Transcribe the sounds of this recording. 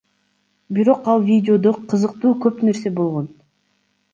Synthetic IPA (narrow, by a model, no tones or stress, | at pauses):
biɾo̞qɑlˠvʲidʲɪo̞d̪oqʰɯzɯqt̪uːkøpne̞ɾse̞bo̞lˠʁo̞n